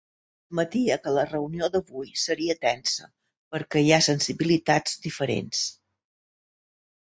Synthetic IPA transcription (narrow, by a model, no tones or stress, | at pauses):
mət̪iəkələrəuniod̪əβujsəɾiət̪ɛnsə̰ | pəɾkɛiasənsiβilit̪azd̪ifəɾḛns